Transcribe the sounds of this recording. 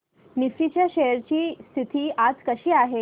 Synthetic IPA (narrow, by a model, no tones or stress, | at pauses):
nifit͡ɕjaɕejəɾt͡ɕiːst̪ʰit̪ʰiːʔad͡zkəɕiːaɦe